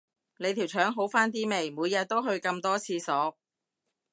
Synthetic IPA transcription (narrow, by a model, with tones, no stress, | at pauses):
ne˨˧jt̪ʰi˨˩wt͡ʃʰœː˨˥ŋɦo˨˥wfaː˥nt̪̬iː˥me˨˩jmuː˨˧jːɐ˨˧t̪̚ːo˥wɦɵ˧ɥkɐ˧mt̪ɔː˥t͡sʰiː˧sɔː˨˥k̚